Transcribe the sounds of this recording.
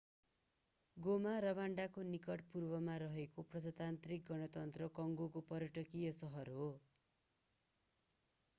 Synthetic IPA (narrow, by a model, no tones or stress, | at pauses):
ɡomaɾʌβaɳɖakonikʌʈpurbʌmaɾʌɦekoprʌd͡zat̪ant̪rik̚ɡʌnʌt̪ʌnt̪rʌkʌŋɡokopʌɾjʌʈʌkijʌsʌɦʌɾɦo